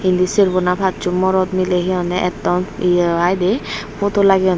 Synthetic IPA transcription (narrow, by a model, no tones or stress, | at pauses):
ind̪isiɾbɔnapʰatt͡ʃumɔɾɔd̪mileɦiɔnɛʔɛt̪ɔniajd̪epot̪olaɡiɔn